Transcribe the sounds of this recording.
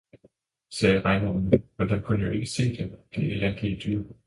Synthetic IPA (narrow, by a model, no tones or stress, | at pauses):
sɛːʁɑ̈ɪnoːnmend̥ækʰunəjo̝e̝ɡ̥əse̝̰ːd̥emd̥eelæn̥lid̥y